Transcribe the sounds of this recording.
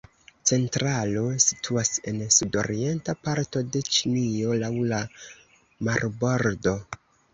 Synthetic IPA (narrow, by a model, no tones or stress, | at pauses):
t͡se̞ntɾalo̞si̥tʰuase̞nsudo̞̰ɾie̞ntapaɾto̞de̞t͡ʃinio̞lawla | maɾbo̞ɾdo̞